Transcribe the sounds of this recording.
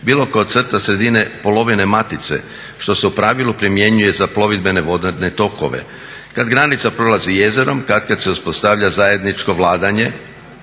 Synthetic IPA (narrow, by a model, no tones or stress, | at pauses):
biːlˠo̞koot̪sr̩t̪asɾe̞d̪ine̞po̞lo̞ʋine̞mat̪it̪se̞̰ | ʃt̪o̞se̞upɾaʋilˠupɾimje̞ɲuje̞zaplˠo̞ʋid̪̚be̞ne̞ʋo̞d̪d̪ne̞t̪o̞ko̞̰ʋḛ | kad̪ɡɾanit̪sapɾo̞lazije̞ze̞ɾo̞mkad̪kad̪se̞uspo̞st̪aʋʎazaje̞d̪nit͡ʃko̞ʋlˠaːd̪aɲe̞